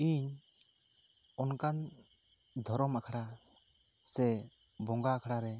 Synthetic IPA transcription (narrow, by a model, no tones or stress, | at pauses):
iɲ | ɔnkan | d̪ʱɔɾɔmakʰɽa | sɛbɔŋɡaːkʰɽaɾɛ